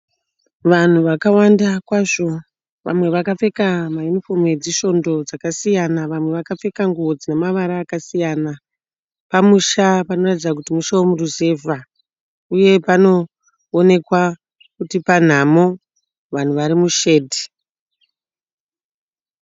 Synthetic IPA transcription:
ʋan̤uʋakawandakwaʐo̞ | ʋʔa̰mwe̞ʋakafe̞kamajunifomwe̞d͡ziʃo̞ndo̞d͡zakasijanaʋamwe̞ʋakap͡fe̞kaŋɡuwo̞d͡zinemaʋaɾaːkasijana | pamuʃapano̞ratid͡zak̬utimuʃawomuɾuze̞vʱa | uje̞pano̞ː | ne̞kwa | kutipan̤amo̞ | ʋan̤uʋaɾimuʃe̞ːdʱi̥

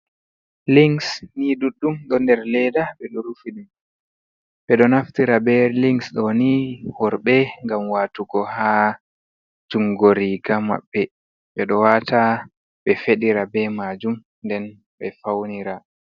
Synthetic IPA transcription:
liŋsniduɗːumɗɔndɛɾlɛdaɓɛɗɔɾufiɗum | ɓɛɗɔnaftiɾabɛliŋsɗɔnihɔɾɓɛŋɡamwaːtuɡɔha | tuŋɡoɾiɡama̰ɓːɛ | ɓɛɗɔwata | ɓɛfeɗiɾabɛmaːd͡ʒum | ndɛn | ɓɛfawniɾa

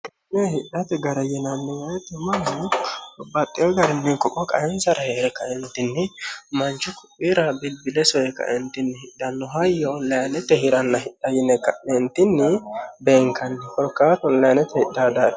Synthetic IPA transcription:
nɛhɪᶑɐt̪ɛɡɐɾɐjɛnɐnːɪwɐjɛt̪ʊma | bɐt̪ʼːɪjɔɡɐɾɪnːɛŋkɔkʼɔkʼɐ̰jɛnsɐɾɐheːɾɛkɐɛnt̪ɪnːɪmɐnt͡ʃːʊkʰʊpʼːiɾɐbɪlbɪlɛsɔɛkɐ̰ʔɛnt̪ɪnːɪhɪᶑɐnːɔɦɐjɔɔlːɐjɐnɛt̪ːɛhɪɾɐnːɐɦɪᶑɐjɛnɛkɐɛnt̪ːɪnːɪbeːŋkɐnːɪkɔɾkːaːt̪ɔllɐjanɛt̪ɛhɪdad̪a

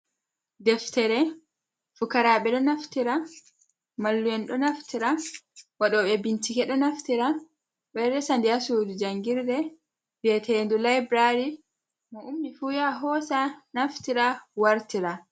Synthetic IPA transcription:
dɛftɛɾɛ | fukaɾaːɓɛɗɔnaftiɾa | malːujɛnɗɔnaftiɾawaɗɔːɓɛbintikɛɗɔnaftiɾa | ɓɛɾɛsandiasuːdud͡ʒaŋɡiɾdɛ | bɛtʰɛndulajbɾaɾi | mɔʔumːifujaɦɔsanaftiɾawaɾtiɾa

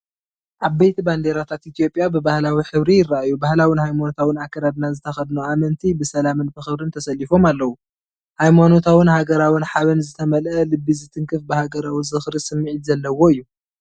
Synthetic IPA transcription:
ʔaβbejt̪ʰiband̪eɾat̪ʰat̪ʔit̪ʰijo̞pʼjabɨbahlawiħɨβɾijɪraʔajubahlawinhajmano̞t̪ʰawɨnakːɐɾad̪nazɨt̪ʰɐxɐd̪nuamɐnt̪ʰibɨsɐlamɨnfɨxɨβɾɨnt̪ʰɐsɐlːifo̞malːɐwu | hajmano̞t̪ʰawɨnhaɡɐɾawɨnħaβɐnzɨt̪ʰɐmɐlʔɐlɨbːizɨt̪ʰɨŋkʰɨfbɨhaɡɐɾawizɨxɾisɨmːiʕit̪zɐlːɐwo̞ɨjːu

